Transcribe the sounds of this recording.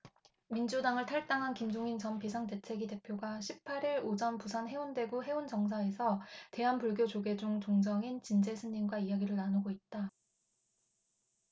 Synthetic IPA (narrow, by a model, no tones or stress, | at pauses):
mind͡ʑudaŋɯɭtʰaɭt͈aŋɦankimd͡ʑoŋint͡ɕʌnpisʰaŋte̞t͡ɕʰe̞ɡide̞pʰjoɡaɕʰipʰːaɾiɾod͡ʑʌnpusʰanɦe̞unde̞ɡuɦe̞unt͡ɕʌŋs̬ʰae̞sʰʌte̞ɦanpuɭɡjod͡ʑoɡe̞d͡ʑuŋt͡ɕoŋd͡ʑʌŋint͡ɕind͡ʑe̞sʰɯnɲinɡwaijaɡiɾɯɭnanoɡoit̚t͈a